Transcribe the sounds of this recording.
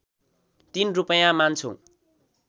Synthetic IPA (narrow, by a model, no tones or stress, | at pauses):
t̪inrupʌjãmant͡sʰõ̰